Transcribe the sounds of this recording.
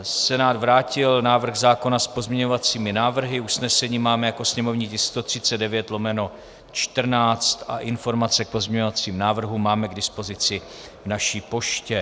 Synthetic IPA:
sɛnaːd̪vɾaːcɪlnaːvr̩ɣzaːko̞naspo̞zmɲɛɲo̞vat͡siːmɪnaːvr̩ɦɪusnɛsɛɲiːmaːmɛjako̞sɲɛmo̞vɲɪcɪst̪o̞t̪r̝̥ɪt͡sɛdɛvjɛt̪lo̞mɛno̞ | t͡ʃt̪r̩naːt͡st̪ʔa̰ʔɪnfo̞ɾmat͡sɛk̚po̞zmɲɛɲo̞vat͡siːmnaːvr̩ɦumaːmɛɡdɪspo̞zɪt͡sɪ | vnaʃiːpo̞ʃcɛ

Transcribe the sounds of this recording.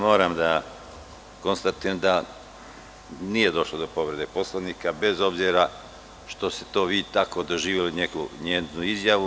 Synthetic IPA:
mo̞ːɾamd̪a | ko̞nst̪at̪ijemd̪a | niːje̞d̪o̞ʃlod̪o̞po̞ʋɾe̞d̪epo̞slˠaniːkabe̞zo̞bziɾa | ʃt̪o̞st̪e̥t̪o̞ːʋiːt̪ako̞d̪o̞ʒiːʋjeline̞kṵɲeːnuizjaʋu

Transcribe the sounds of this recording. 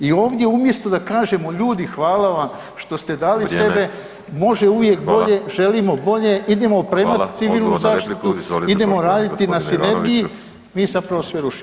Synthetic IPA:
io̞ːʋd̪ʲje̞umje̞st̪od̪akaːʒe̞mo̞ʎuːd̪ixʋaːlaʋam | ʃt̪o̞st̪e̞d̪aːlise̞be̞ | mo̞ʒe̞uʋje̞k̚bo̞ʎe̞ʒe̞limo̞bo̞ʎe̞ʔid̪e̞moopɾeːmat̪i̥t̪siʋiːlˠnuzaːt̪it̪uid̪e̞moɾaːd̪it̪inasine̞ɾɡiji | miːzapɾaʋo̞sʋeɾuʃi̥m

